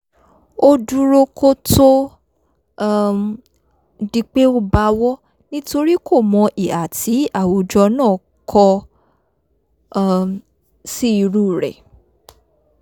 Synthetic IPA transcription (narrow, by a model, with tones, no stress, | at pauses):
o˧du˧ɾo˧kʰo˦to˦˧ | di˧k͡pe˦o˦ba˧˦wɔ˦ | nĩ˦to˧ɾi˦kʰo˦˨mɔ̃˨˧˦ʔi˨a˨ti˨˦a˦˨wo˨d͡ʒɔ˧nãː˦˨ | kʰɔ˧ | si˦i˧ɾu˦˨ɾɛ̰˨